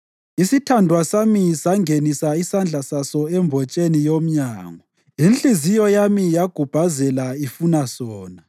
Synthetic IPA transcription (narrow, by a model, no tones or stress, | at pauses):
isitʰandʱwasamisaŋʱenisaisand͡ɮʱasasɔɛmbʱɔt͡ʃʼenijom̩ɲaːŋɔ | inɬizijɔjamijaɡ̥ʱub̥ʱazɛlaifunasɔːna